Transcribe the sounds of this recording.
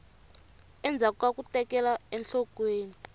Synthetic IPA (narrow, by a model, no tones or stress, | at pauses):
ɛnd͡zʱakakutɛkɛlaɛnɬɔkweːni